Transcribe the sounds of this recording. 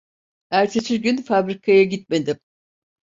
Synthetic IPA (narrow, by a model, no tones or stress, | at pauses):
æɾt͡ʃʰesiɾɟynfabɾikʰajaɟit̪̚me̞d̪im